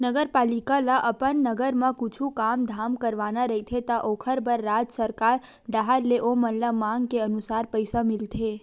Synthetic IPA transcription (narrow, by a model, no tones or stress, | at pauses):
nəɡəɾpalikalaʔəpənːəɡəɾmãkut͡ʃʰukamd̪ʱamkəɾʋanaɾəɦit̪ʰet̪aʔokʰəɾbəɾːad͡ʒsəɾkaɾ | ɖaɦaɾleʔomənlamãŋɡkeənusaɾpəjsamilt̪ʰe